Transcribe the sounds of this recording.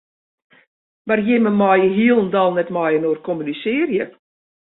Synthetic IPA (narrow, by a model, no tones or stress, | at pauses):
ʋarjɪməmɔjəɦiəlˠən̩dɔlˠnɛtmɔjənoərkʰomynisɪːrjə